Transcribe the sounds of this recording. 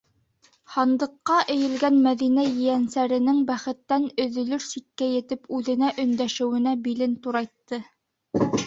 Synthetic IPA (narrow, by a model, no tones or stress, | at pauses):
hɑnd̪ɤ̆qːɑʔɘ̆jɘ̆lɡænmæðinæjɘ̆jænsæɾɘ̆nɘŋbæχɘ̆t̪ːænɵ̆ðɵ̆lɵɾsikːæjɘ̆t̪ɘpʉðɘ̆næʔɵ̆nd̪æʃɘ̆wɘ̆næbilɘnt̪uɾɑjt̪ːɤ